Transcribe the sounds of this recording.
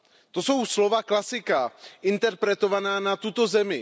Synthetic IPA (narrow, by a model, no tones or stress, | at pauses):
t̪o̞so̞wslo̞vaklasɪkaʔɪnt̪ɛɾpɾɛt̪o̞vanaːnat̪ut̪o̞zɛmɪ